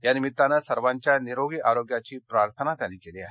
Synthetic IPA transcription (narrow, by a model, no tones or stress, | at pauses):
janɪmit̪ːanɐsɐɾʋãɲt͡ɕjaniɾoːɡiʔaːɾoːɡjat͡ɕipɾaːɾt̪ʰənad̪anikeliaːɦe